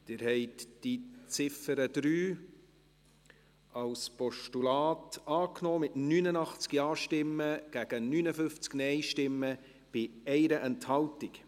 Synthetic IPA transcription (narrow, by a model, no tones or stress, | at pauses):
d̥ɪːɾhɛɪtd̥it͡sɪfəɾəd̥̪ɾyː | ɑwspɔʃtulɑːtɑːknɔːmɪtnyːnənɑχt͡skjɑːʃtɪmːəɡ̥æɡ̥ənyːnəfʏft͡sknɛɪʃtɪmːə | b̥ɪɛɪɾəʔɛnthɑltɪk